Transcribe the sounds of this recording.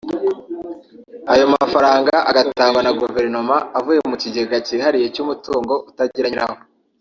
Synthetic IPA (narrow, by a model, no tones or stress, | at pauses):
ajo̞mafaɾaːŋɡaʔaɡataːŋɡwanaɡuve̞ɾno̞maːvuje̞muciɟeɡacihaɾije̞cumutuːŋɡo̞ʔutaɟiɾaɲiɾaho